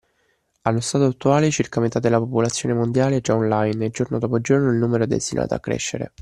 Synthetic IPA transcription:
alːost̪aːt̪oat̪ːuaːlet͡ʃirkamet̪ad̪elːapopolat̪sːjoːnemond̪jaːleɛd͡ʒaɔnlajneld͡ʒornod̪ɔpod͡ʒornoilnuːmeɾoɛd̪ḛst̪inʔa̰ːt̪oa̰kːɾḛʃːḛɾḛ

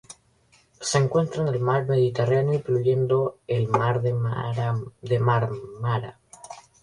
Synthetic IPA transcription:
se̞ŋkwe̞nt̪ɾaene̞lmaɾme̞ðit̪eranjoipɾuʎe̞nd̪o̞elmaɾð | ðemaɾmaɾa̰

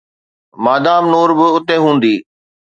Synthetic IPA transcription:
maːd̪aːmnoːɾbɪʊt̪eɦũːnd̪iː

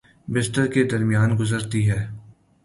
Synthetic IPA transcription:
bɪstəɾked̪ɐɾmijaːnɡʊzəɾt̪iɦɛː

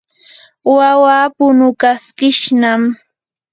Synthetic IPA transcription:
wawaːpʊnʊkaskɪʃnam

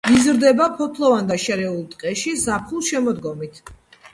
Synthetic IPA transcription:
izɾd̪ɛbapʰɔpʰlˠɔvand̪aʃɛɾɛulˠt̪ʼqʼɛʃizapʰχulˠʃɛmɔd̪ɡɔmit̪ʰ

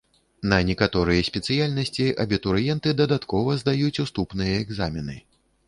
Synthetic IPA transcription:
nɐnʲɛkat̪ɔɾɨjɐsʲpʲɛt̪sɨjalʲnɐsʲt͡sʲiʔɐbʲit̪uɾjɛnt̪ɨd̪ɐd̪at̪kɔvɐzd̪ajut͡sʲust̪upnɨjɐɛɡzamʲɛnɨ̰

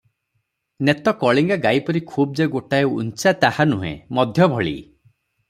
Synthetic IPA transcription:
net̪ɔkɔɭiŋɡaɡajpɔɾikʰub̚d͡ʒeɡoʈaeṵnt͡ʃat̪ahanuɦḛ̃mɔd̪ʱjɔbʱɔɭḭ

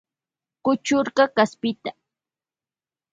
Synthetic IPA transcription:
kʊt͡ʃʊɾɢɑkaspɪt̪a

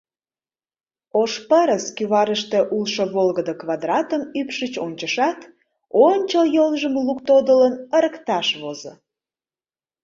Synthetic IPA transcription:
oʃpəɾəskyβɑɾəʃt̪eʔulʃoβolɣəd̪əkβɑd̪rɑt̪əmypʃət͡ɕonʲt͡ɕəʃɑt̪ | onʲt͡ɕəjolʒəmlukt̪od̪ələnəɾəkt̪ɑʃβozo̰

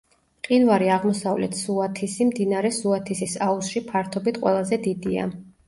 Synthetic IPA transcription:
qʼinvaɾiaʁmɔsavlɛ̰t̪ʰsuat̪ʰisimd̪inaɾɛsuat̪ʰisisausʃipʰaɾt̪ʰɔbit̪ʰqʼwɛ̰lˠazɛd̪id̪ia̰

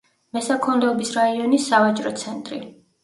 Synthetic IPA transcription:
mɛsakʰɔmlɛɔbisɾaiɔnisːavat͡ʃʼɾɔt̪sʰɛnt̪ʼɾḭ

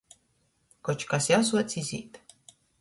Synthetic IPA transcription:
kɔt͡ʃkasjaws̬uɔt̪sʲizʲḭːt̪

